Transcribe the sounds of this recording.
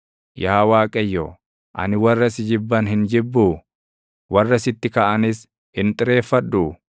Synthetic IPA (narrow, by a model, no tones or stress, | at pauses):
jaːwaːkʼɐjːo̰ː | ʔɐ̰nɪwɐrːɐsɪd͡ʒɪbːɐnɦɪnd͡ʒɪbːuː | wɐrːɐsɪt̪ːɪkɐʔɐnɪs | hɪnt̪ʼɪɾe̞ːfːɐᶑːuː